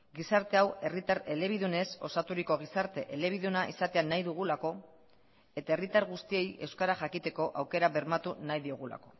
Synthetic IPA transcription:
ɡisaɾt̪e̞awe̞rit̪aɾe̞le̞β̞iðune̞so̞sat̪uɾiko̞ɣ̞isaɾt̪e̞ʔe̞le̞β̞iðunaʔḭsat̪e̞anajðuɣ̞ulako̞ | e̞t̪ae̞rit̪aɾɣust̪ie̞je̞wskaɾaʝakit̪e̞ko̞ʔawke̞ɾaβe̞ɾmat̪unajðio̞ɣula̰ko̞̥

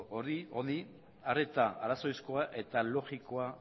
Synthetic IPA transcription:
oɾio̞ni | are̞t̪aa̰ɾaso̞jsko̞aʔe̞t̪alo̞ɣiko̞a

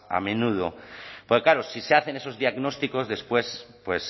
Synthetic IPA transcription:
a̰mẽ̞nuð̞opoɾkaɾosiseaθe̞ne̞so̞zðiaɣno̞st̪iko̞zðe̞spwe̞spwe̞s

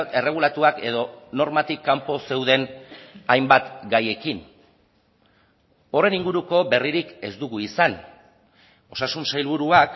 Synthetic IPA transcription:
e̞re̞ɣ̞ulat̪uake̞ð̞o̞no̞ɾmat̪ikːampo̞se̞wð̞e̞najmbat̪ɡaje̞kin | o̞re̞niŋɡuɾuko̞be̞riɾike̞zd̪uɣuisan | o̞sasunsajlβ̞uɾuak

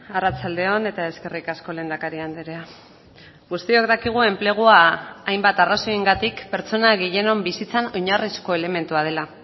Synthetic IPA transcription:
arat͡sald̪e̞o̞ne̞t̪ae̞ske̞rikasko̞le̞ːnd̪akaɾiand̪eɾea | ɡust̪io̞ɡd̪akiɣ̞ue̞mple̞ɣ̞uaːjmbat̪araso̞eŋɡat̪ikpe̞ɾt͡so̞naɣeje̞no̞mbisit͡sano̞ɲarisko̞e̞le̞me̞nt̪uað̞e̞la

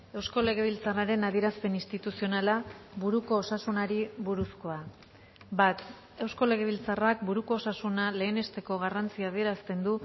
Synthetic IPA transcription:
e̞wsko̞le̞ɣ̞e̞β̞ilt͡saraɾe̞naðie̞ɾaspe̞nist̪it̪usio̞nalaβuɾuko̞ːsasunaɾiβuɾusko̞a | bat̪ | e̞wsko̞le̞ɣ̞e̞β̞ilt͡sarakbuɾuko̞ːsasunale̞ːne̞st̪e̞ko̞ɣarant͡siaːð̞ie̞ɾast̪e̞nd̪u

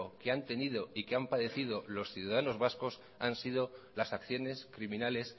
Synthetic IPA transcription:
okeant̪e̞nið̞o̞ikeampaðe̞θið̞o̞lo̞sθjuðaðano̞zβasko̞s | ansið̞o̞lasakθjo̞ne̞skɾimĩnale̞s

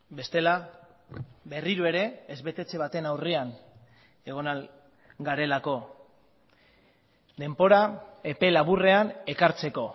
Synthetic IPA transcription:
be̞st̪e̞la | βe̞riɾue̞ɾe̞ːzβe̞t̪e̞t͡se̞β̞at̪e̞nawrian | e̞ɣ̞o̞nal | ɡaɾe̞lako̞ | d̪e̞mbo̞ɾae̞pe̞laβ̞ure̞ane̞kaɾt͡se̞ko̞

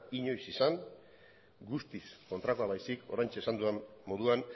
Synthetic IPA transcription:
iɲo̞jsisaŋ | ɡust̪isko̞nt̪ɾakoaβajsiko̞̰ɾajɲt͡ʃesand̪uamːo̞ðuan

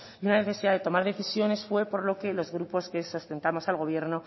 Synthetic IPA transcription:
iunane̞θe̞siðaðe̞t̪o̞maɾðe̞θisjo̞ne̞sfwe̞po̞ɾlo̞ke̞lo̞zɣ̞ɾupo̞ske̞sost̪e̞nt̪amo̞salɣ̞o̞β̞je̞ɾno

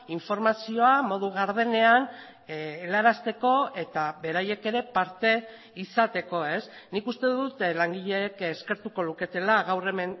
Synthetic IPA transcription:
iɱfo̞ɾmasio̞amo̞ðuɣaɾð̞e̞ne̞an | laɾast̪e̞ko̞e̞t̪aβe̞ɾaje̞ke̞ɾe̞paɾt̪e̞ | isat̪e̞ko̞e̞s | nikust̪e̞ðut̪laŋɡiʎe̞keske̞ɾt̪uko̞luke̞t̪e̞laɣawre̞me̞n

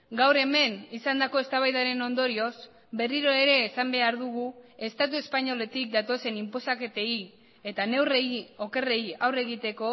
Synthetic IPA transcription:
ɡawɾe̞me̞nisand̪ako̞e̞st̪aβajðaɾe̞no̞nd̪o̞ɾio̞z | be̞riɾoe̞ɾe̞ːsambe̞aɾðuɣ̞ue̞st̪at̪ue̞spaɲo̞le̞t̪ik̚d̪at̪o̞se̞nimpo̞sake̞t̪e̞i | et̪ane̞wreio̞ke̞re̞iawre̞ɣit̪e̞ko̞

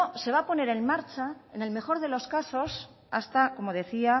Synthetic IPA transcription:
se̞βapo̞ne̞ɾe̞nmaɾt͡ʃaene̞lme̞xo̞ɾð̞e̞lo̞skaso̞s | a̰st̪ako̞mo̞ðe̞θia

